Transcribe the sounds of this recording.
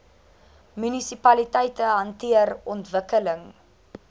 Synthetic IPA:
mynisipɐlitɛjtəɦɐntiərɔntvəkələŋ

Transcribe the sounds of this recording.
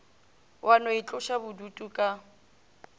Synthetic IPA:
wʔanɔɪt͡ɬʼʊʃabʊdutʼukʼa

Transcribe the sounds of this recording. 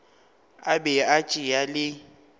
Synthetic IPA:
abɛat͡ʃʼɪjalɪ

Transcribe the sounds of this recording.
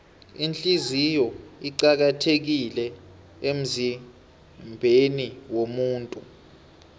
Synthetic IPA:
int͡ɬʼizijɔiǃak̬atʰek̬ilɛ | em̩zi | mbʱeniwomuːntʼu

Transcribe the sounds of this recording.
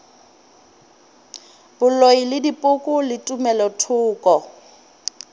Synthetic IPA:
bʊloilɪdipʼʊkʼʊlɪtʼʊmɛlɔtʰʊːkʼɔ

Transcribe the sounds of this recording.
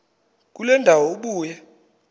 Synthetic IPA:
k̬ulɛndʱawɔuɓuːjɛ

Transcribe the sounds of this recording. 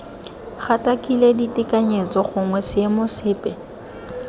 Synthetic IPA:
χatakileditɪkaɲet͡sɔχʊŋwɛsɪemʊsɪːpʼɛ

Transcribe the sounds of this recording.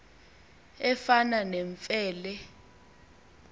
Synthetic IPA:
ɛfananɛɱfɛːlɛ

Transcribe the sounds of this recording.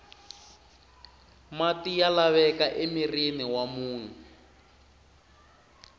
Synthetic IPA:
matijalaβɛkaʔemiriniwamuːn̤ɛ

